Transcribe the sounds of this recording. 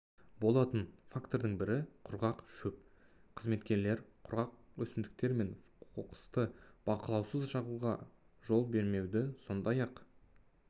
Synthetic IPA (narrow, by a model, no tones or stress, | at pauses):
bo̞lˠɑt̪ənfakt̪o̞ɾd̪əɴbɪɾɪqʰʊɾʁɑqʃɵp̚ | qʰəzme̞t̪kʲe̞ɾle̞ɾqʰʊɾʁɑq̚wɵsɪnd̪ɪk̚t̪e̞ɾme̞nʰ | oqə̥st̪əb̥ɑqəlˠɑwsəzʃɑʁuʁɑ̰ | ʒo̞lˠbe̞ɾme̞wd̪ɪso̞nd̪ɑjɑq